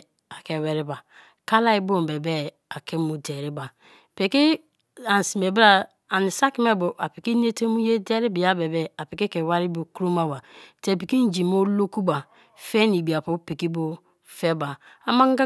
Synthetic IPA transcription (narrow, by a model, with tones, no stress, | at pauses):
a˨ke˨wɛ˨ɾi˦ba˨ | ka˦la˦i˦bo˦˨be˨bɛ˦ | a˨ke˦mu˨˦de˨ɾi˦ba˨ | pe˨ki˦ | a˨n˨si˨me˨bi˦ɾa˦ | a˨ni˨sa˦ki˦me˦bo˨ʔa˨pi˨ki˦n˦e˦te˦mu˦je˦dɛ˦ɾi˦bi˨ja˦be˨bɛ˦a˨pi˨ki˦ke˨wa˦ɾi˦bo˨ku˦ɾo˦ma˦wa˨te˨pi˨ki˦n˦d͡ʒi˨mo˦lo˦ku˦ba˨ | fe˦ni˨bi˨a˨pu˦pi˨ki˦bo˦ | fɛ˦ba˨ | a˨ma˦ŋ˦ɡa˦